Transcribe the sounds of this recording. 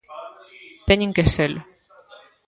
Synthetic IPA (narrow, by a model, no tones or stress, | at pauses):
t̪eɲʲiŋkesel